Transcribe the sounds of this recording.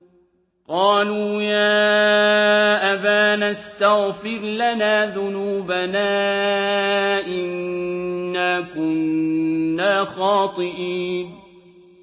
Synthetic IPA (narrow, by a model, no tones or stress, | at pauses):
qɑːluːjaː | ʔabaːnast̪aɣfɪɾlanaːðʊnuːbanaː | ʔɪnː | aːkʊnː | aːxɑːt̪ˤɨʔiːn